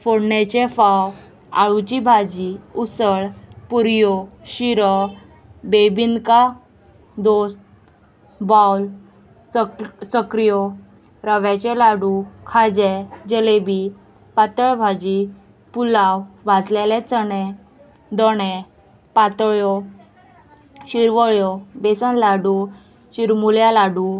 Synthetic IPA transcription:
foɽɳɛt͡ɕefaw | a̰ɭut͡ɕibʱad͡ʑiusəɭpuɾjoɕiɾɔ | bebinka | d̪ost̪̚ | bawl | səkɾijo | ɾəʋɛt͡ɕɛlaɽukʰad͡ʑɛd͡ʑəlebi | pat̪əɭbʱad͡ʑi | pulawʋad͡zlɛlɛ̃t͡sənɛ̃ | d̪ɔɽɛ | pat̪ɭjɔ | ɕiɾʋəɭjɔbesənlaɖu | ɕiɾmuljalaɽu

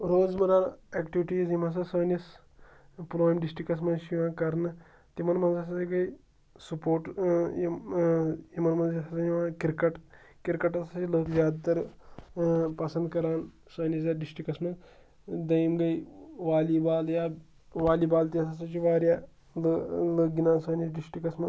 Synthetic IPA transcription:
ɾoːd͡zmɐɾaːneːkʈiʋiʈiːzimɐs̬ɐsɐːnɐs | pulaːjmɖisʈɾikɐs̬mɐʃiʋãːkɐɾnɨ | t̪imɐnmɐnzɐs̬asiɡɐj | supoːʈji | jimɐnmɐnɐsasɐiʋãkiɾkɐʈkiɾkɐʈɐsat͡ʃiləːkzʲjaːd̪t̪ɐɾ | pɐsɐnd̪kɐɾaːn | səːnisjaːɖisʈikɐsmɐ | d̪ɐjmɡɐjʋaːlibaːljaː | ʋaːliːbaːlt̪iɐsasat͡ʃiʋaːɾjaː | lələɡinaːnsəːnɐsɖisʈikɐsmɐ

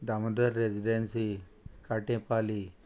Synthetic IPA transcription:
d̪aməd̪əɾːed͡ʑiɖensi | kaʈẽpali

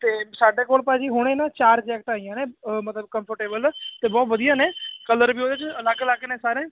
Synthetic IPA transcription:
t̪eːsaːɖeːkoːlpaːd͡ʒiːɦʊɽ̃eːnãːt͡ʃaːɾd͡ʒɛːk̚ʈaːijãːnẽːmət̪ləbkəmpʰəɾʈeːbəlt̪eːbɔːt̪ʋəd̪ijãːnẽːkələɾbiːoːd̪eːt͡ʃəlaːkːlaːkːnẽːsaːɾẽː

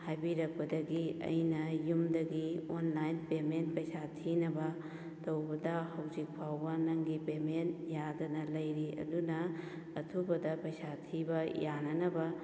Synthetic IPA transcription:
hajbiɾɐk̚pɐdɐɡiɐ̰jnɐjumdɐɡionlajnpementpɐjsatʰinɐbɐ | tɐwbɐdɐhɐwzik̚pʰawbɐnɐŋɡipemenjadɐnɐlɐjɾiɐ̰dunɐː | tʰubɐdɐpɐjsatʰibɐjanɐnɐbɐ

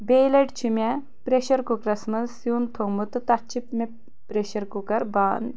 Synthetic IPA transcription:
bejlɐʈt͡ʃʰimʲɛ | pɾeʃɐɾkukɾɐsmɐzsjuːnt̪ʰomut̪ɨt̪ɐt͡ʃʰipme | pɾeʃɐɾkukɐɾbaːn

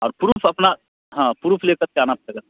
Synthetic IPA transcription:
ɔːɾpʊɾuːpʰɐpna | ɦãːpɾuːpʰleːkəɾt͡ʃaːnap̚leɡə

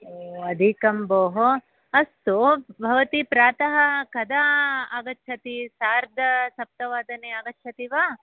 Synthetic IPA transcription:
oːɐd̪ʱikɐmboːɦo | ɐst̪ubʱɐʋɐt̪ipɾaːt̪ɐɦɐkɐd̪aɐɡɐtːʃʰɐt̪isaːɾd̪ʱɐsɐp̚t̪ɐʋaːd̪ɐneːɐɡɐtʰɐt̪iʋaː

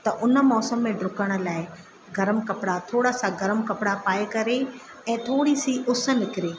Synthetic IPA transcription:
t̪ɐʔʊnə̆mɔːsəmːẽɖɾʊkəɽ̃ə̆laːɪ | ɡɐɾəmkɐpɪɽat̪ʰoːɽasãɡɐɾəmkɐpɪɽapaːekɐɾe | ɛ̃ːt̪ʰoːɽisiʔʊsə̆nɪkɪɾeː

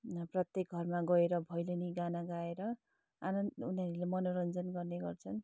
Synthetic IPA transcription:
prʌt̪jek̚ɡʱʌrmaɡʌeɾʌbʱʌjlʌniɡanaɡaeɾʌ | a̰nʌunɦʌɾulemʌnoɾʌnd͡zʌnɡʌrneɡʌrt͡sʰʌn

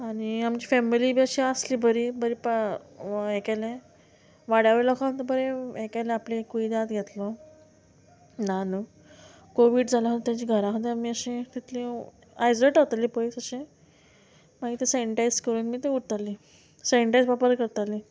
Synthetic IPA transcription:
aɽ̃iamt͡ɕiːfɛmilibiəɕiəsliːbʱəɾibʱəɾip | ekajlẽ | ʋaɽjaʋəɾilɔkʰaənt̪əbəɾeekajlẽaplẽkuid̪at̪ɡʱet̪lɔ | nanu | koʋiːɖd͡zʱalaɦot̪et̪jat͡ɕiːɡʱəɾãɦot̪ẽamiːəɕẽt̪it̪ʰlĩ | ajd͡zləʈot̪alipəisəɕẽ | maɡit̪esajəɳʈajskəɾuːnmiːt̪euʈt̪ali | sajəɳʈajsʋapəɾkəɾt̪ali

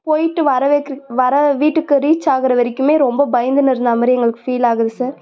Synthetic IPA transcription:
poːjɪʈːɯʋɐɾɐʋeʋɐɾɐʋiːʈːɯkːɯɾiːt͡ʃːaːɣɯɾɐʋɐɾɪkːɯmeːɾɔmbɐbɐjnd̪ɯnɪɾɯnd̪aːmɐɾɛŋɡɐɭɯkːɯ̥fiːlaːɣɐðɯsaːɾ

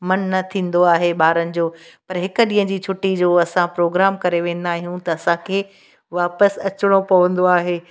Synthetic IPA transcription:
mɐnːɐt̪ʰĩːnd̪oaːɦeɓaːɾənɪ̆d͡ʑoːpɐɾɦɪkə̆ɗĩːɦə̃d͡ʑiːt͡ɕʰʊʈid͡ʑoːɐsãpɾoːɡɾaːmkɐɾeʋẽːn̆d̪aːɦijũt̪ɐːsãkʰeː | ʋaːpəsɐt͡ɕɪɽ̃opɐʋə̃n̆d̪oaːɦeː

